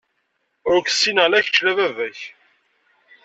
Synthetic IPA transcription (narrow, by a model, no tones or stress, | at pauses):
ɾʊkθsːinəʁlæçt͡ʃːlævævæç